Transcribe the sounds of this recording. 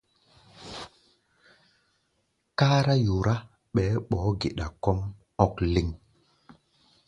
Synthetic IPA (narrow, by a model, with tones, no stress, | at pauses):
kaː˦ɾa˦ju˨ɾʔa˦ | ɓɛː˨˦ɓɔ˨˦ɡe˨ɗa˨kɔ˦m | ɔ˦˨kli˨ŋ